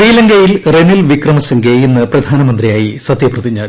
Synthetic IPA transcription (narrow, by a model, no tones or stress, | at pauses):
iːlɐŋɡɐjilrenilʋikrɐmɐsiŋɡeenːɨprɐd̪ʱaːnɐmɐnd̪rijaːjisɐd̪jɐprɐðiɲːaː